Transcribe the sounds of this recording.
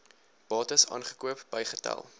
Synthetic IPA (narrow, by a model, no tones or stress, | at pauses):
b̥ɑːtəsɑ̰ːnχə̥kuəpb̥əjχətɛ̰lˠ